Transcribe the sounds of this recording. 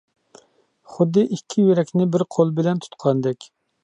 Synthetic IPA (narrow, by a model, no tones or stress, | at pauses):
χʊd̪ːɨʔikʲʰːijøɾɛkʲnɪbɪɾqʰolˠbɪlɛnt̪ʰu̥t̪qʰɑnd̪ɛkʲ